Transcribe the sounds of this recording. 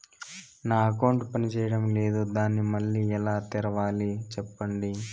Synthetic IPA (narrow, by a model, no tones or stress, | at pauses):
naːɐkɐwɳʈpɐnit͡ʃɛːjɐɽɐmleːd̪ud̪aːnːimɐɭːiːɛlaːt̪iɾɐʋaːlit͡ʃɛpːɐɳɖi